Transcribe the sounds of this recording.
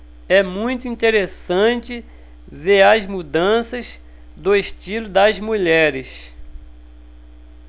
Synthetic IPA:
ɛmũj̃t̪ʊĩnt̪eɾesɐ̃t͡ʃɪ | veɾɐzmud̪ɐ̃sɐz | d̪ʊeʃt͡ʃilʊd̪ɐzmuʎɛɾɪs

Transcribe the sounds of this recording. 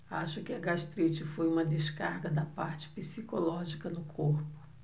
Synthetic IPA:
aʃʊkɪɐɡaʃt̪ɾit͡ʃɪfojũmɐd̪eʃkaɾɡɐd̪ɐpaɾt͡ʃɪ̥pisikolɔʒikɐnʊkʰoɾpʊ̥

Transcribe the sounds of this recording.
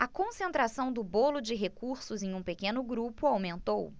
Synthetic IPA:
ɐkõsẽnt̪ɾasɐ̃w̃d̪ʊbolʊd͡ʒɪɦekuɾsʊzẽj̃ũpekẽnʊɡɾupʊawmẽnt̪ow

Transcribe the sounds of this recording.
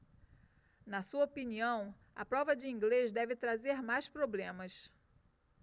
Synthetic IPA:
nɐsuɐopiniɐ̃w̃ | ɐ̰pɾɔvɐd͡ʒɪĩŋɡlezd̪ɛvɪt̪ɾazeɾmajspɾoblẽmɐs

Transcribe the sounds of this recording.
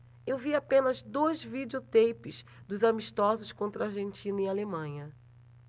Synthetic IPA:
ewviapẽnɐzd̪ojzvid͡ʒiot̪ejpɪs | d̪ʊzamiʃt̪ɔzʊʃkõnt̪ɾɐaɾʒẽnt͡ʃĩnɐialemɐ̃jɲɐ

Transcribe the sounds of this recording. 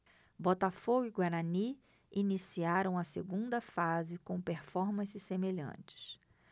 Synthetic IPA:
bɔt̪afoɡʊiɡwaɾani | inisiaɾɐ̃w̃ɐseɡũnd̪ɐfazɪkõpeɾfɔɾmɐ̃sɪsemeʎɐ̰̃t͡ʃɪ̥s

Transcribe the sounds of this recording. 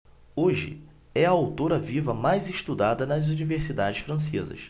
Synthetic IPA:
oʒɪ̰ | ɛɐawt̪oɾɐvivɐmajzɪʃt̪ud̪ad̪ɐnɐzuniveɾsid̪ad͡ʒɪʃfɾɐ̃s̬ḛzɐ̰ʃ

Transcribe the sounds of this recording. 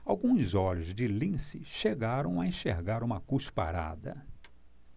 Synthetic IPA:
awɡũzɔʎʊzd͡ʒɪlĩsɪʃeɡaɾɐ̃w̃aẽʃeɾɡaɾũmɐkuʃpa̰ɾa̰d̪ɐ̰

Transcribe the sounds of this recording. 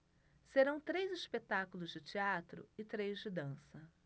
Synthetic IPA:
seɾɐ̃w̃t̪ɾejzispet̪akulʊzd͡ʒɪt͡ʃiat̪ɾʊ̰ɪt̪ɾejzd͡ʒɪd̪ɐ̃sɐ

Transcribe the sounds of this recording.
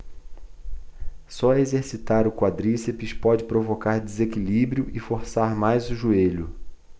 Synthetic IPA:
sɔɐezeɾsit̪aɾʊkwad̪ɾisepiʃpɔd͡ʒɪpɾovokaɾdezekilibɾiʊʔɪfoɾsaɾmajzʊʒueʎʊ

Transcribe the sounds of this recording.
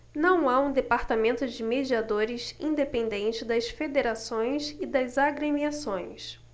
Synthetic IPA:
nɐ̃w̃aũd̪epaɾt̪amẽnt̪ʊd͡ʒɪmed͡ʒiad̪oɾɪsĩd̪epẽnd̪ẽnt͡ʃɪd̪ɐsfed̪eɾasõj̃sɪd̪ɐzaɡɾemiasõj̃s

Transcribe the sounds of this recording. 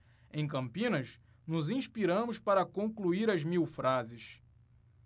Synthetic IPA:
ẽj̃kɐ̃mpĩnɐʃ | nʊzĩʃpiɾɐ̃mʊʃpaɾɐkõŋkluiɾɐzmiwfɾazɪʃ

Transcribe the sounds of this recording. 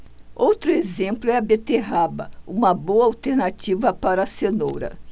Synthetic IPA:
owt̪ɾʊezẽmplʊɛɐbet̪eɦabɐ̰ũmɐboɐawt̪eɾnat͡ʃivɐpaɾɐsenowɾɐ̰

